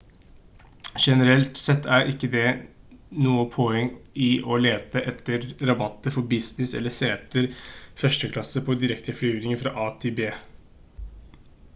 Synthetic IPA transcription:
ʃɛnəɾɛlt̪sɛt̪ːæɾʔɪkːəd̪ɛ | nuːəpʰɔɛŋɪʔɔleːt̪əʔɛt̪ːəɾɾɑbɑt̪ːəfɔbɪsnɪsɛ̰lːəseːɛt̪əɾfœʂʈəkʰlɑsəpʰɔd̪ɪɾɛkt̪ʰəflyːɾɪŋəfɾɑʔɑːt̪ʰɪbeː

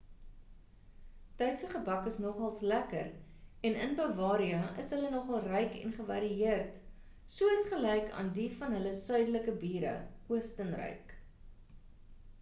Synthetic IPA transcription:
tœɥtsəχəbɐkəsnɔχɑlˠslækərɛnənbɑːvɑːɾiəʔəsɦələnɔχɐlˠrɛjkɛ̰nχəvɐ̰ɾiiərt | suəɦɛtχəlɛjkɑ̰ːndifɐnɦələsœɥdələkəbiːɾə̰kuəstənrə̰jk

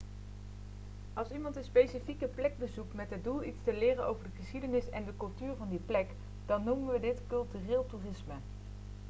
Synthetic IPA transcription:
ʔɑlˠsimɑntənspejsifikəplɛɡ̚bəzuk̚tmɛtɦəd̚dulˠitstəlɪːrənʔowvəɹdəχəsχidənɪsɛndəkɵlˠtyːɹvɑndiplɛk | d̥ɑnːumənʋədɪtkɵlˠtyːrɪːlˠtuːrɪsmə

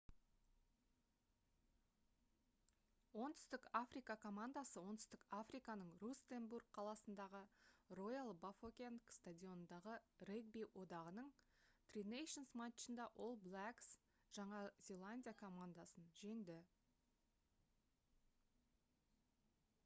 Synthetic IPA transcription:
wo̞nt̪ʰʏ̥st̪ɪkafrijkɑkʰo̞mand̪asəwo̞nt̪ʏ̥st̪ɪkafrijkɑnəɴrust̪emburɡ̚qʰɑlˠɑsənd̪ɑʁəro̞jalˠbafokʲenkst̪adʲio̞nənd̪ɑʁəreɡ̚bijwʔo̞d̪ɑʁənəɴ | t̪rinejʃonsmat͡ʃənd̪ɑʔo̞lˠblˠæks | ʒ̥ɑɴɑzʲe̞lˠanʲdʲijakʰo̞mand̪asənʒe̞ŋd̪ɪ

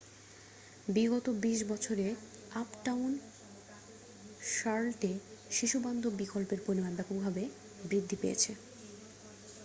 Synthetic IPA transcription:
biɡɔt̪obiʃbɔt͡ɕʰoɾeapʈawn | ʃaɾlʈeʃiʃuband̪ʱobikolpeɾpɾoɾimanbɛpoɡbʱabe | bɾid̪ʱːipḛjḛt͡ɕʰe

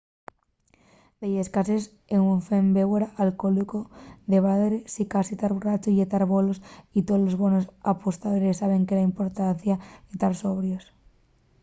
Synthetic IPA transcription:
b̪ejeskases | eŋuɱfembeβeɾaalkolikoðe̞βaðɾesikasit̪aɾβurat͡ʃoiʝet̪aɾβo̞losit̪olo̞zβonosapost̪aðoɾesːaβ̞e̞ŋkelaimpo̞ɾt̪an̟θjaet̪aɾso̞βɾjos

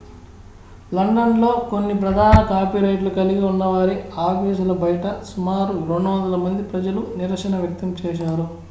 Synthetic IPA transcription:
lɐɳɖɐnlo̞ːkonːipɾɐd̪ʱaːnɐkaːpiːɾɐjʈlukɐliɡiunːɐʋaːɾiaːpiːsulɐbɐjɐʈɐsumaːɾuɾo̞ɳɖuʋɐnd̪ɐlɐmɐnd̪ipɾɐd͡ʒɐluniɾɐkʂɐnɐʋjɐk̚t̪ɐmt͡ʃɛːʃaːɾu

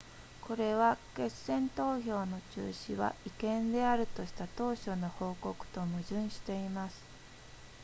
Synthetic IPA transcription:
ko̞ɾe̞βake̞sẽ̞nt̪o̞ːço̞ːno̞t͡ɕɨ̰ːɕiβa̰ikẽ̞nd̪e̞aɾɯ̟t̪o̞ɕi̥t̪at̪o̞ːɕo̞no̞ho̞ːko̞kɯ̟̥t̪o̞mɯ̟ʑɨ̃ɰ̃ɕi̥t̪e̞imasɨ̥

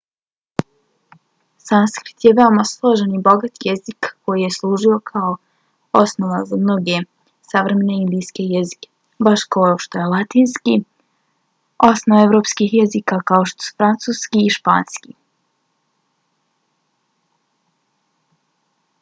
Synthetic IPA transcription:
sanskɾit̪jeʋe̞omaslˠo̞ʒenibo̞ɡat̪jezikːo̞jije̞slˠuːʒio̞kʰao | osnoʋazamno̞ɡe̞ | saʋɾe̞me̞neind̪ijske̞jezi̥ke̥ | baʃkaoʃt̪ojelˠat̪iːnski | o̞snoeʋɾo̞ːpskixjezikakaoʃt̪o̥su̥fɾant̪suːskiːʃpa̰ːnskḭ

